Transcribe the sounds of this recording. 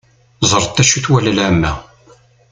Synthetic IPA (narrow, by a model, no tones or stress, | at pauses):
zˤəɾˤt̪ːæʃuθwæləlʕæmːæ̰